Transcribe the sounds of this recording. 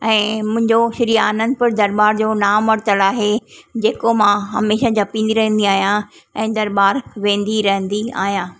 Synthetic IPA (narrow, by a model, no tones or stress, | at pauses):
ɛ̃ːmʊ̃ɦɪ̃ɲd͡ʑoʃɐɾiːaːnə̃nd̪pɐɾd̪ɐɾbaːɾd͡ʑoːnaːmɐɾt̪əlaːɦed͡ʑeːkomãɦɐ̰meːʃãd͡ʑɐpĩːnd̪iɾɐɦə̃nd̪iaːɦijã | ɛ̃ːd̪ɐɾbaːɾʋẽːn̆d̪iɾɐɦə̃n̆d̪ia̰ːɦijãː